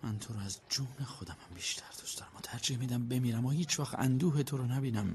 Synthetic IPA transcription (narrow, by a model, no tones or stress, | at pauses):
mænt̪ʰoɾɔæzd͡ʒuːnexod̪æmhæmbiːʃt̪ʰæɾd̪u̥st̪ɒɾæmɒt̪ʰæɾd͡ʒiːhmiːd̪æmbe̞miːɾæmɒhiːt͡ʃʰvæxt̪æ̰nd̪uːɦet̪ʰoɾɔnæbiːnæm